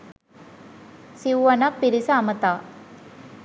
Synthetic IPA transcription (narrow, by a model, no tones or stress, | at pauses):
siʋuʋɐnɐpːiɾisɐːmət̪aː